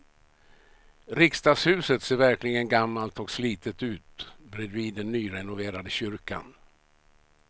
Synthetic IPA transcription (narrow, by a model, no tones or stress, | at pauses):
ɾɪkst̪ɑːɡshʉ̟ːsət̪seːɾvæɾklɪɡənɡamːalt̪ɔksliːt̪ət̪ʉ̟ːt̪bɾɛd̪viːd̪ɛnːyːɾɛnʊveːɾad̪əɕʏɾka̰n